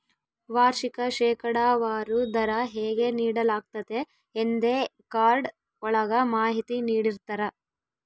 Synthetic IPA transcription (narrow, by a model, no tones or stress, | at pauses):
ʋaːɾʃikɐʃɛːkɐɽaːʋaːɾud̪ɐɾɐɦeːɡe̞niːɽɐlaːɡ̚t̪ɐd̪e̞ː | nd̪ekaːɾɖ | ɔɭɐɡɐmaːɦit̪iniːɽiɾt̪ɐɾɐ